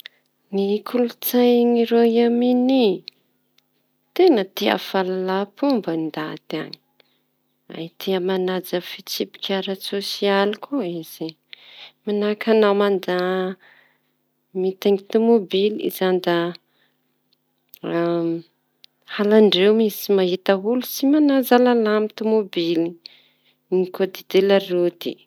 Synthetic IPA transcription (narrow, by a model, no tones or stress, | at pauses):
nikʰulut͡sajŋiɾoiamini | t̪enət̪ia̰falalapumbaind̪at̪ia̰ni̥ | a̰it̪ʰiəmanad͡zafit͡sipi̥kʰʲaɾasosialikʰoiz̥i | manakʰanawmand̪a | mit̪aŋit̪umobilḭzand̪a | halaɳɖ͡ʐewmisimaɦit̪aulusimanad͡zalalamit̪umobili | nikod̪id̪elaɾud̪ḭ